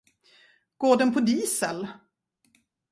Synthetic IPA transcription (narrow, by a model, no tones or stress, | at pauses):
ɡ̥oːɖ̪ɛnpʰɔd̪iːsəl